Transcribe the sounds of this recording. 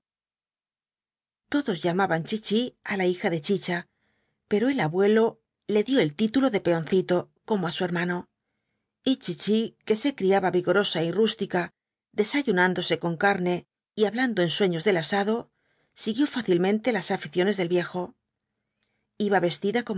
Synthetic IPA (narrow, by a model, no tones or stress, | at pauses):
t̪o̞ðo̞zʎamaβant͡ʃit͡ʃialaixaðe̞t͡ʃit͡ʃa | pe̞ɾo̞e̞laβwe̞lo̞ | le̞ðjo̞e̞lt̪it̪ulo̞ðe̞pe̞o̞nθit̪o̞ | ko̞moasue̞ɾmano̞ | it͡ʃit͡ʃike̞se̞kɾiaβaβiɣo̞ɾo̞sairust̪ika | ðe̞saʝunand̪o̞se̞ko̞ŋkaɾne̞ | iaβland̪o̞enswe̞ɲo̞zðe̞lasaðo̞ | siɣjo̞faθilmẽ̞nt̪e̞lasafiθjo̞nezðe̞lβje̞xo̞ | iβaβe̞st̪iðako̞